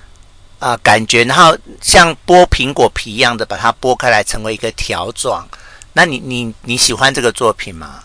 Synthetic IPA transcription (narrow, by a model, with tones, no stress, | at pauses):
ə˧ka˨˩nt͡ɕɥɛ˧˥na˧˦ŋxo˥˩ʊɕjɑ˥˨ŋpwɔ˥pʰi˧˥ŋkwɔ˨˩pʰi˨˥˦jɑ˥˩ŋd̪ə˩pa˨˩t̪ʰa˦˥pwɔ˥˦kʰa˥ɪla˧˦ɪʈ͡ʂʰə˧˥ŋwe˧˥ɪi˧˦ɡ̥ə˧t̪ʰjɑ̰˨˧˦ʊt͡swɑ̰˨˩ŋna˥˨ni˨˩ni˨˩ni˨˦ɕi˨˩xwa˦nʈ͡ʂɤ˥˩ɡə˨t͡swɔ˥˨pʰi˨˩nma̰˦